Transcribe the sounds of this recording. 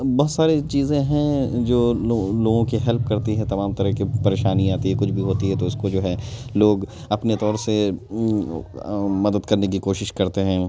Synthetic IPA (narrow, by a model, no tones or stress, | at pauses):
bɔːt̪saːɾet͡ʃiːzẽɦɛ̃d͡ʒoːoloːɡõkiɦɛlp̚kɐɾt̪iɦɛ̃t̪ɐmaːmt̪ɐɾəɦkipɐɾeːʃaːniaːt̪iɦɛkʊt͡ʃʰbʱiɦoːt̪iɦɛt̪oɪskod͡ʒoːɦɛloːɡ | ɐpnet̪ɔːɾse | mɐd̪əd̪kɐɾnek̬ikoːʃɪʃkɐɾt̪eɦɛ̃ː